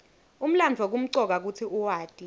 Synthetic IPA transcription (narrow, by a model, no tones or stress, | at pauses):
um̩land͡vʱwak̬um̩ǀɔk̬ak̬ut͡sʰiuwaːd̥ʱʼi